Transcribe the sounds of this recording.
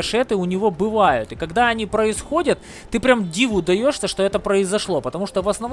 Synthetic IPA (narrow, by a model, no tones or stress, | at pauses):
ʂɛt̪ɨʊnʲɪvo̞bɨvajʊ̰t̪ɨkɐɡd̪aɐnʲipɾəɪsxo̞dʲət̪ː | ɨpɾʲamdʲivʊd̪ɐjo̞ʂsʲəʂt̪oɛt̪əpɾəɪzɐʂlˠo̞pət̪ɐmuʂt̪ovɐsnɐv